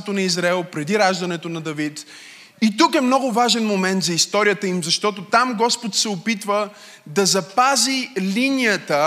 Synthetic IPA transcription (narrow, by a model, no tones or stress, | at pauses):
ɛt̪onɐizɾaɛlˠpɾɛd̪iɾaʒd̪ɐnɛt̪onɐd̪ɐvit̪ | it̪ukɛmnɔɡʊvaʒɛnmomɛnt̪zɐist̪ɔɾijət̪əimzɐʃt̪ɔt̪̬ot̪amɡɔspot̪sɛopit̪və | d̪ɐzɐpazilʲinijət̪ə